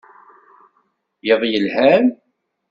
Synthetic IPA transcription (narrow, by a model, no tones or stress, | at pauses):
jeðˤjəlhæm